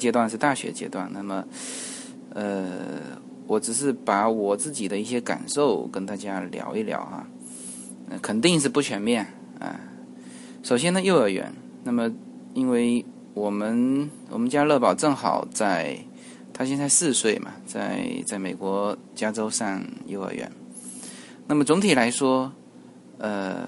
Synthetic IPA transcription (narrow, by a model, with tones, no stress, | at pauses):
t͡ɕjɛ˥t̪wa˥˧nʂɻ̩˥˧t̪a˥˩ɕɥɛ̰˧˥t͡ɕjɛ̰˥t̪wa̰˥˩nna˥˩mə˩ | ə˧ | wɔ˧˥ʈ͡ʂɻ̩˨˩ʂ̬ɻ̩˥˩pa˧˥wɔ˨˩t͡sɹ̩˥˩t͡ɕi˨˩d̪ə˦i˥˩ɕjɛ˥ka̰˨˩nʂo˥˩˧ʊkə˥nt̪a˥˩t͡ɕja˥ljɑ̰˧˥ʊi˥˩ljɑ̰˧˥ʊxɐ̰˧ | ə̰˧kʰə˨˩nt̪i˥˧ŋʂ̬ɻ̩˥˧pu˥˩t͡ɕʰɥɛ˧˥nmjɛ˥˩n | ɐ̰˧˩ | ʂo˨˩ʊɕjɛ˥nd̪ə˨jo˥˧ʊə˞˧˥ɥɛ̰˧˥n | na˥˩mə˩ | i˥nwe˥˩ɪ | wɔ˨˩mə˧˦nwɔ̰˨˩mə˦nt͡ɕja˥lɤ˥˩pɑ˨˩ʊʈ͡ʂɤ˥˩ŋxɑ̰˨˩ʊt͡sa˥˩ɪ | t̪ʰa˥ɕjɛ˥˧nt͡sa˥˧ɪsɹ̩˥˧swe˥˩ɪmɐ̰˩t͡sa˥˧ɪt͡sa˥˩ɪme˨˩ɪkwɔ˧˥ | t͡ɕja˥ʈ͡ʂo˥ʊʂɑ˥˧ŋjo˥˧ʊə̰˧˩ɥɛ̰˧˥n | na˥˩mə˩t͡sʊ˧˥ŋt̪ʰi˨˩la˧˥ɪʂwɔ˥ | ə̰˧